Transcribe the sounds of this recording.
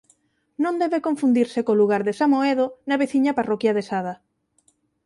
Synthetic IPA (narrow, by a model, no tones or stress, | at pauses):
nõnd̪ɛβekõɱfund̪iɾsekoluɣ̞aɾðesamoeðonaβeθiɲaparokjaðesað̞a